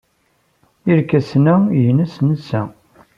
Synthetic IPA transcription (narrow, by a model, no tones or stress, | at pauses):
iɾkæsnæjənæsnəsæ